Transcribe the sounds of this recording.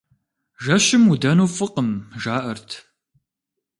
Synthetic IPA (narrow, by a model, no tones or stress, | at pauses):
ʒɐɕɪmudɐnuːfɨqəmʒaːʔɐrtʰ